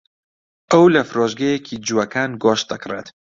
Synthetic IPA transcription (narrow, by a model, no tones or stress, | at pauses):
ʔɐwlɐfɾoːʒɡɐjekʰid͡ʒuwɐkʰaːnɡɔːʃt̪̚d̪ɐkrḛt̪